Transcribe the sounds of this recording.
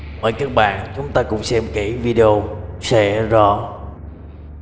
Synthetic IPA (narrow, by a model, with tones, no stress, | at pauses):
ʔə̰ː˨˩jkaː˦˥k̚ɓa̰ː˧˨nt͡ɕʊ˨˦ŋ͡mt̪aː˧kʊ̰˧˥ŋ͡msɛ˧mke˧˩vi˧ɗe˧o˧sɛ̰˧˥zɔ˧˩